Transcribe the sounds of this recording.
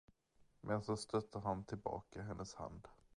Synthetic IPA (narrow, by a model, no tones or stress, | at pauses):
mʔɛnsɔst̪ʰœt̪ʰːəɾɦant̪ʰɪlbɑ̰ːkaɦɛnːʔəsha̰nd̪